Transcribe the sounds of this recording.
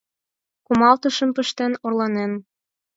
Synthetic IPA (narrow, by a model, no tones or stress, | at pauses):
kumɑlt̪ɤ̆ʃə̆mpə̆ʃt̪enorlɑnen